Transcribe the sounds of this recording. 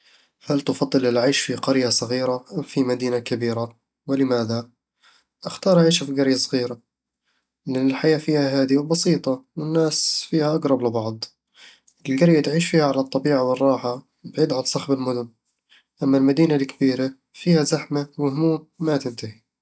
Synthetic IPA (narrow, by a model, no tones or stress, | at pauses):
halt̪ʊfɑd̪ˤːɨlɪlʕaːʃfiqɑɾjasˤɑɣiːɾaʔamfimad̪iːnakabiːɾa | wɪlɪmaːða | ʔaxt̪ɑːɾˤʔaʕiːʃafiɡɑɾjasˤɣiːɾa | lɪnɪlħajaːfiːhaɦaːd̪iwbɑsiːt̪ˤɑwɪnːaːsfiːhaʔaɡɾˤɑblɪbɑʕd̪ˤ | ʔɪlɡɑɾjat̪ʕiːʃfiːhaʕalat̪ˤːɑbiːʕawɪrˤːɑːħa | bʕiːd̪ʕant̪sˤɑxbɪlmʊd̪ʊn | ʔamːalmad̪iːnalkabiːɾa | fiːhazaħmawɪhʊmuːmːat̪ɪnt̪ahi